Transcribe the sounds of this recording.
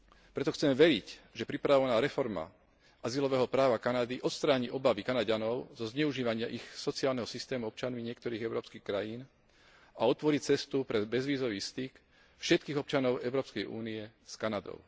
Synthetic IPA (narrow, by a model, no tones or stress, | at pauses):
pɾɛt̪ɔxt͡sɛmʋɛɾicʒɛpɾipɾaʋɔʋɛnaːɾɛfɔɾma̰ | ʔazilɔʋɛːɦɔpɾaːʋakanad̪iʔɔt̪st̪ɾaːɲiʔɔbaʋikanaɟanɔʊzɔzɲɛuʒiːʋaɲɪaʔixsɔtt͡siaːlnɛɦɔsist̪ɛːmuɔp̚t͡ʃanmiɲɪɛk̚t̪ɔɾiːɣɛʊɾɔːpskiːxkɾajiːn | aɔt̪ʋɔɾict͡sɛst̪upɾɛbɛzʋiːzɔʋiːst̪ik | fʃɛt̪̚kiːɣɔp̚t͡ʃanɔʊɛʊɾɔːpskɛjʔṵːniɛskanad̪ɔ̰ʊ